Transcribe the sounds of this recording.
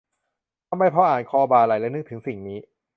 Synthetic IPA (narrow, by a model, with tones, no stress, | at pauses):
t̪ʰa˧˩mba˧jpʰɔ˦˥ʔaː˨˩nkʰɔː˧baː˧˩la˨˩jlɛː˦˥nɯ˦˥t̪ʰɯ˩˦ŋsi˨˩ŋniː˦˥